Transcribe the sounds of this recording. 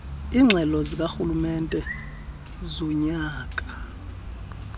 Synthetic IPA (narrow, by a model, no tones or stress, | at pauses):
iːŋ͡ǁʱɛlɔzik̬axulumɛntʼɛ | zɔɲaːk̬ʼḁ